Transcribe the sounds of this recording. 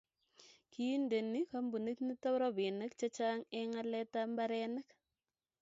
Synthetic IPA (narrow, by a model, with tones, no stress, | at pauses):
ki˦nde˨ni˦ka˦mbu˨ni˦tni˦ta˦pɾɔ˦bi˨nə˦k̚t͡ʃa˦t͡ʃa˦ŋɛ˦ŋa˦lɛ˦ta˦mba˦ɾɛnə˦k